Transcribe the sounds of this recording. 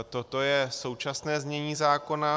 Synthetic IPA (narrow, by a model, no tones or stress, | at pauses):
t̪ot̪o̞jɛso̞wt͡ʃasnɛːzmɲɛɲiːzaːko̞na